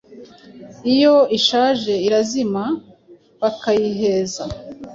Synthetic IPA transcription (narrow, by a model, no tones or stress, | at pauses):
ijo̞iʃaːʒe̞iɾazima | βakajiɦe̞ːza